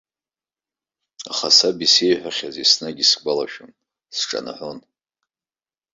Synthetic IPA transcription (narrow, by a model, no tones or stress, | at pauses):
aχasabisejħᶣʷaχʲazisnaɡʲisɡʷalaʃᶣon | sʈ͡ʂʼa̰na̰ħʷon